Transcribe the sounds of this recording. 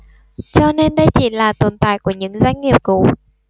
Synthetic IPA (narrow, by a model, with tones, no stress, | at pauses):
t͡ɕɔ˧ne˧nɗə˧jt͡ɕi˧˩laː˨˩t̪o˨˩nt̪a̰ː˧˨jku˧˩əɲɨ̰˧˥ŋzwa˧jŋ̟ŋi˨˩əp̚kṵ˧˩˦